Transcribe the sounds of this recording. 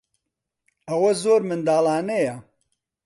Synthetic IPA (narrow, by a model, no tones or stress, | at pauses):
ɐwɐzoːɾmɨnd̪aːlˠaːnɐjɐ